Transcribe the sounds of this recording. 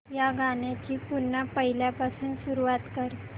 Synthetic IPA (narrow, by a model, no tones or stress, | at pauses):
jaɡʱaɳjat͡ɕiːpunːapəɦiljapasuːnsuɾuʋat̪kəɾ